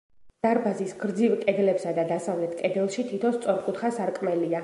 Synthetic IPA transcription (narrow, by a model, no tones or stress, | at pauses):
d̪̥aɾbazisɡɾd̪zivkʼɛd̪lɛpsad̪ad̪asavlɛt̪ʰkʼɛd̪ɛlˠʃit̪ʰit̪ʰɔnst̪sʼɔɾkʼut̪ʰχasaɾkʼmɛlia